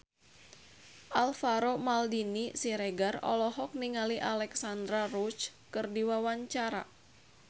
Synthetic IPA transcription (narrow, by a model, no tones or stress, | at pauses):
ʔalfaɾomaldinisiɾɛɡarɔ̰lɔɦɔk̚niŋaliʔalɛksand̪ɾaɾut͡ʃkɨrdiwawaɲt͡ʃaɾa̰